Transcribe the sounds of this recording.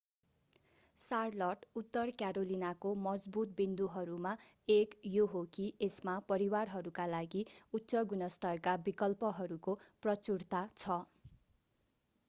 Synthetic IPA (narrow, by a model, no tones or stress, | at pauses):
sarlʌʈut̪ːʌrkjaɾolinakomʌd͡zbut̪̚bind̪uɦʌɾuma | ekjoɦokiʔesmapʌɾiwarɦʌɾukalaɡiutːsʌɡunʌst̪ʌrkabikʌlpʌɦʌɾukoprʌt͡surt̪at͡sʰʌ